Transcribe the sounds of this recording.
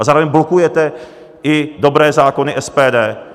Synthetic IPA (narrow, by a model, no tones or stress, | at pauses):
azaːɾovɛɲblokujɛt̪ɛ | ɪdo̞bɾɛːzaːkonɪʔɛspɛːdɛː